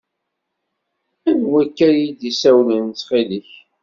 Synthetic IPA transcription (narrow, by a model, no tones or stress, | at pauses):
ænwækːæɾjid̪isæwlənt͡sːχiliç